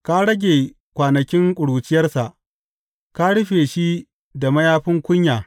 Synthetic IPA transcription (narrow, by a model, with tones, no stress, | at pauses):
ka˦ɽɐ˦ɡʲeː˨ | kʷaː˨nɐ˨kʲɪ˦ŋkʷʼʊ˨ɽuː˨t͡ʃɪ˦jɐ˦rsa˨ʔ | ka˦ɽʊ˦ɸeː˨ʃi˦ | da˨mɐ˦jaː˦ɸɪ˦ŋkʷʊ˦ɲjaː˨